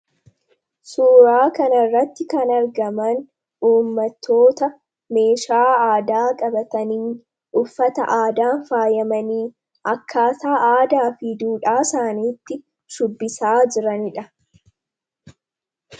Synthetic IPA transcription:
suːɾaːkɐnɐrːɐt̪ːɪkɐnɐɾɡɐmɐn | uːmːɐt̪ʰːo̞ːt̪ɐ | me̞ːʃaːaːd̪aːkʼɐbɐt̪ɐniː | ʔʊfːɐt̪ɐ̰ʔaːd̪aːnfaːjɐmɐniː | ɐkʰːaːsaːʔaːd̪aːfɪd̪uːᶑaːsaːniːt̪ːɪ | ʃʊbːɪsaːd͡ʒɪɾɐnɪᶑɐ

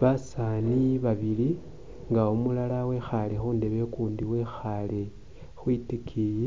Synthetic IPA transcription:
βasaniβaβili | ŋɡaumulalawe̞xalexuːnde̞βe̞kuːndiwe̞xale | xwitikʰije

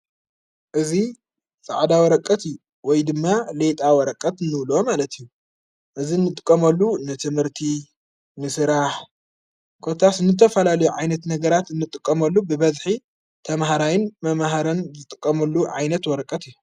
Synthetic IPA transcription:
ʔɨzi | sʼaʕd̪awɔɾɐkʼːɐt̪ijːu | wɔjd̪ɨmːalet̪ʼawɔɾɐkʼːɐt̪ɨnːɨβlo̞malɐt̪ʰijːu | ʔɨzinːɨt̪ʼɨkʼːɐmɐlːunɨt̪ʰɨmhɨɾt̪ʰi | nɨsɨɾaħ | kʰo̞t̪ʰasɨnɨt̪ʰɐfɐlalɐjuʕajnɐt̪nɐɡɐɾat̪ɨnːɨt̪ʼɨkʼːɐmɐlːubɨbɐzħi | t̪ʰɐmɦaɾajɪnmɐmɦaɾɐnzɨt̪ʼɨkʼːɐmɐlːuʕajnɐt̪wɔɾɐkʼːɐt̪ijːu

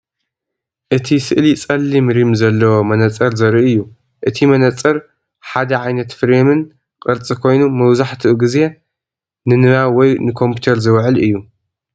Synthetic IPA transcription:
ʔɨt̪ʰisɨʔlit͡sʼɐlːimɾimzɐlːɐwomɐnɐt͡sʼːɐɾzɐɾʔɨjːu | ʔɨt̪ʰimɐnɐt͡sʼːɐɾ | ħad̪ɐʕajnɐt̪fɨɾemɨn | qʼɨɾt͡sʼikʰo̞jnumɐwzaħt̪ʰɨʔuɡɨze̞ | nɨnɨβawɔjnɨkʰo̞mpʰut̪ʰɐɾzɨwʕɨlɨ̰jːu

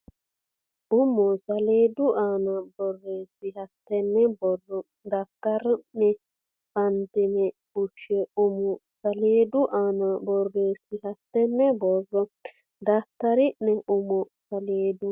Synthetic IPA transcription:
ʔʊmɔsaleːd̪uʔanabɔrːeːsihat̪ːɛnːɛbɔrːɔ | d̪atːaɾnɛ | bant̪inɛ | uʃɛumɔsaleːd̪uʔanabɔrːeːsihat̪ːɛnːɛbɔrːɔ | d̪at̪ːaɾiʔnɛʔumɔsaleːd̪u

